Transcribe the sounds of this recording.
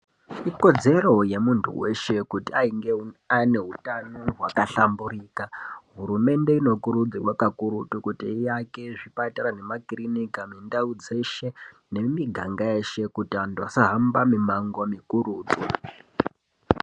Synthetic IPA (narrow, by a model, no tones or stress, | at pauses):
iko̞d͡ze̞ro̞je̞muntʰṵwe̞ʃe̞kutiaiŋɡeane̞ɦutano̞wakaɬamburiːkaɦuɾume̞nde̞ino̞kuɾud͡ziwakakuɾutukutiːjake̞ʐipataɾane̞makrinikamindaud͡ze̞ʃe̞ | ne̞miɡʱaŋɡaeʃe̞kutiantuasaɦambamimaŋɡomikuruːd͡zo